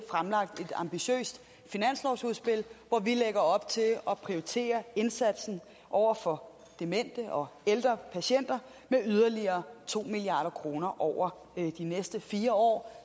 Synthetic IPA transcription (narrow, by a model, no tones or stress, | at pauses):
fʁamlɑ̈ɡ̥̚d̥e̝d̥ɑ̈mb̥iɕø̰ːsd̥ | finæn̰slɒʊsuðˠsb̥e̝lʋɒʋileɡ̥ɐɒ̽b̥̚t͡sʰe̝lɒ̽pʰʁioʁit͡sʰe̝̰ːɐe̝nsæd̥sn̩ | ʔɒʊ̰ɐfɒ̽ | d̥e̝men̰d̥əʔɒ̽eld̥ʁɐpʰæɕen̰d̥ɐ | meyð̞ˠɐliɐːt͡sʰo̝̰ːmiliɑ̈ːɾ̥ɐkʰʁo̝ːnɐʔɒʊɐ | d̥inesd̥əfiːɐɒ̰ː